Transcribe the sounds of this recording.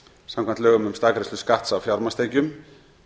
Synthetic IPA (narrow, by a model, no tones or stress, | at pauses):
samkʰvant̪œːɣʏmʏmst̪aːkɾeslʏskaht̪sawfjaɾmast̪eːjcʏm